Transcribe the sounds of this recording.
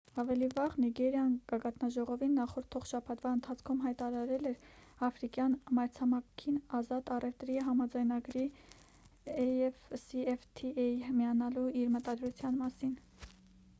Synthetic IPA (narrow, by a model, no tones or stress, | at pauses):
ɑvɛlivɑʁniɡɛɾjɑnɡ̥ɑɡɑt̪nɑʒɔʁɔvinːɑχɔɾt̪̚ʰɔχʃɑpʰɑt̪vɑənt̪ʰɑt͡sʰkʰumɦɑjt̪ɑɾɑɾɛlɛɾ | ɑfɾikjɑnmɑɾt͡sʰɑmɑkʰinɑzɑt̪ɑrɛft̪ɾiɦɑmɑd͡zɑjnɑɡɾi | ɛɛvsiɛft̪ʰiɛjmiɑnɑluiɾmət̪ɑd̪ɾut͡sʰjɑnmɑsin